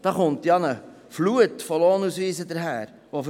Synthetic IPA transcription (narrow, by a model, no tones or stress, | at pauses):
d̥ɑːχʊntjɑnə | fluətfoloːnusʋiːzədəɾɦæːɾ | ʋof